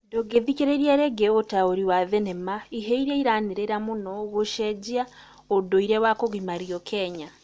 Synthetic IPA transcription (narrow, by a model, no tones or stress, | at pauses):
doɡeðikeɾeɾiaɾeɡeotaoɾiwaðenemaiɦeiɾeiɾaniɾeɾamunɔɣoʃɛd͡ʒia | odoiɾɛwakoɣimaɾiɔkʰɛɲa